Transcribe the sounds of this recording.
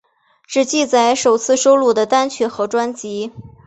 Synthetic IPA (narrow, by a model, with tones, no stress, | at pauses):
ʈ͡ʂɻ̩˨˩t͡ɕi˥˩t͡sa˧˩ɪʂo˨˩ʊt͡sʰɹ̩˥˩ʂo˥ʊlu˥˩d̪ə˩t̪a˥nt͡ɕʰɥɛ˧˥xɤ˧˥ʈ͡ʂwa˥nt͡ɕi˧˥